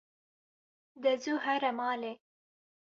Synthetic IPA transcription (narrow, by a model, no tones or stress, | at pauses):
d̪əzuhaɾamɑːle